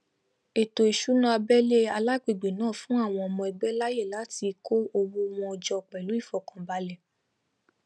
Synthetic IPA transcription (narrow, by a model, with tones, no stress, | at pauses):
e˨to˨i˨ʃu˨˦nã˦a˧bɛ˦le˦a˧la˦k͡pe˦˨ɡ͡be˨nãː˦˨fũ˨˦a˦˨w̃ɔ̃˧ɔ˧mɔ̃˧ɛ˧ɡ͡bɛ˦la˦je˦˨la˨˦ti˧ko˦o˧wo˦˧w̃ɔ̃˧ɔ˧d͡ʒɔ˧˨k͡pɛ˨lu˨˦i˦˨fɔ˨kã˨ba˧lɛ˨